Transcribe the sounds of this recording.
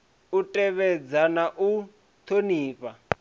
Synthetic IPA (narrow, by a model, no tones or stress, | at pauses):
utʼɛβɛd͡zanaʔu | t̪ʰoniːpa